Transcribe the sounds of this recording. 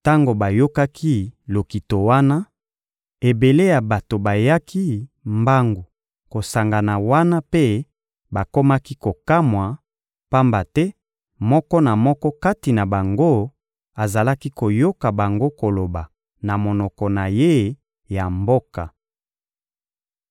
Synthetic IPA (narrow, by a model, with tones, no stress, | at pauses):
ta˦ŋɡo˨ba˨jo˦ka˦kʰi˦lo˨ki˨to˨wa˦na˦ | e˨be˨le˦ja˨ba˨to˨ba˨ja˦kʰi˦mba˦ŋɡo˨ | ko˨sa˨ŋɡa˨na˨wa˦na˦pe˦ | ba˨ko˦ma˦ki˦ko˨ka˦mwa˨ | pa˦mba˨tɛ˦ | mɔ˦kɔ˦na˨mɔ˦kɔ˦ka˦ti˨na˨ba˨ŋɡo˦ | a˨za˨la˦ki˦ko˨jo˦ka˨ba˨ŋɡo˦ko˨lo˨ba˨ | na˨mo˨nɔ˨kɔ˨na˨je˦ | ja˨mbo˦ka˨